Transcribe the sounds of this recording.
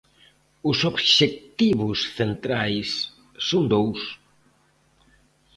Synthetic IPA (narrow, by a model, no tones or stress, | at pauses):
ʊsobʃek̚t̪iβʊsθent̪ɾajsː | ond̪ows